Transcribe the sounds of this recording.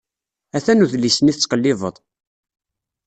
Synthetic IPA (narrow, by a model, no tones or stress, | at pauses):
æθænuðlisəniθət͡sːqəlːɪvˤə̰ðˤ